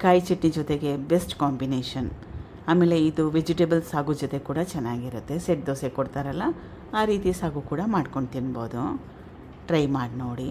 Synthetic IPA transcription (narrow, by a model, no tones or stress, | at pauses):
kaːjt͡ʃiʈnid͡ʒot̪e̞ɡe̞besʈkaːmbineːʂɐn | aːmeːle̞id̪uʋed͡ʒiʈebɐlsaːɡud͡ʒot̪e̞kuːɽɐt͡ʃɛnːaːɡiɾut̪ːe̞seʈ̚d̪oːsekoɽt̪aːɾɐlːɐ | aːɾiːt̪isaːɡukuːɽɐmaːɖko̞ɳɖt̪inbo̞̰ːd̪u | ʈɾɐjmaːɖnoːɽi